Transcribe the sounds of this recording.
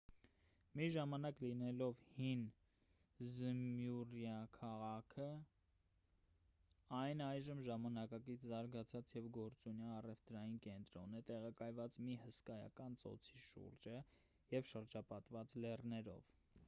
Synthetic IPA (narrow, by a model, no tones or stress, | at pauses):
miʒɑmɑnɑklinɛlɔvhin | zəmjuɾjɑkʰɑʁɑkʰə | ɑjnɑjʒəmʒɑmɑnɑkɑkit͡sʰzɑɾɡɑt͡sʰɑt͡sjɛvɡɔɾt͡sunjɑːrɛvt̪ɾɑjinkɛnt̪ɾɔnɛt̪ɛʁɑkɑjvɑt͡smihəskɑjɑ̰kɑnt͡sɔ̰t͡sʰiʃṵɾd͡ʒə | jɛvʃəɾd͡ʒɑpɑt̪vɑt͡slɛrnɛɾɔ̰v